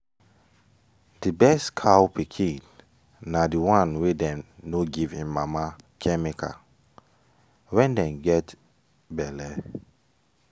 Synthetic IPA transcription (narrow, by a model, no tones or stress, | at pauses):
d̥ibɛstkʰawpikʰĩ | nadiwãnwedɛ̃mnoɡivĩnmamakʰɛmikʰa̰ | wɛ̃ndɛ̃nɡɛt | bɛlɛ